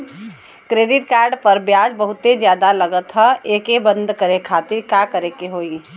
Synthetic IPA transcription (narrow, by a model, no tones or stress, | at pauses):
kɾeːɖɪʈkaːɾɖpɐɾbjaːd͡ʒbɐɦʊt̪ːed͡ʒjaːd̪alɐɡət̪ɦɛeːkebə̃nd̪ʱkəɾekʰaːt̪ɪɾkjaːkəɾekeɦoːi